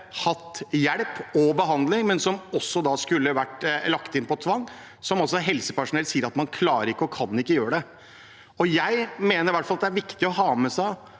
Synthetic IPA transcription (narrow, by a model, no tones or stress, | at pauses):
hɑt̪ːjæɽpɔbəɦɑnd̪lɪŋmɛnsɔmɔsːɔd̪ɑskʉlːəʋæʈːlɑkt̪ɪnpɔt̪ʰʋɑŋː | sɔmɔsːɔɦɛlsəpæʂʊnɛlsiːəɾɑt̪mɑnkʰlɑːɾəɾɪkːəɔkʰɑnːɪkːəjøːɾəɖ̪ɛ | ɔjæɪmeːnəɾʋæʈfɑlɑt̪d̪æɾʋɪkt̪ɪɔɦɑːmɛsæɪ